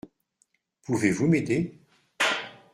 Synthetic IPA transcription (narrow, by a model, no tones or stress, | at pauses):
puvevumed̪e